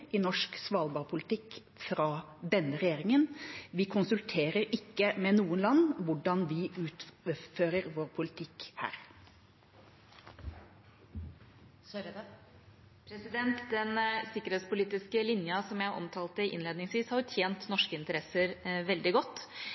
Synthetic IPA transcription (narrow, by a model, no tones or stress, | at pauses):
ɪnɔʂksʋɑːlbɑɾpʰʊlɪt̪ɪkː | fɾɑː | d̪ɛnːəɾɛjeːɾɪŋənʋɪkʰʊnsʉlt̪ʰeːɾəɾɪkːəmɛnuːənlɑnːʋʊɖɑnʋɪʉːt̪føːɾəɾʋoːɾpʰʊlɪt̪ʰɪkhæ̰ːɾ | pʰɾɛsɪd̪ɛnt̪d̪ɛnsɪkːəɾheːt̪spʊliːt̪ɪskəlɪnjəsɔmjæɪʔɔ̰mt̪ʰɑːlt̪əʔɪ̰nleːd̪nɪŋsʋiːshɑɾʊt̪ʰjeːnt̪nɔʂkəɪnt̪əɾɛsəɾʋɛld̪ɪɡɔt̪ː